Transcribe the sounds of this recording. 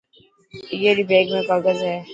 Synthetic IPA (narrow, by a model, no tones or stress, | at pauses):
jeɾibeːɡmẽkaɡəzɦɛː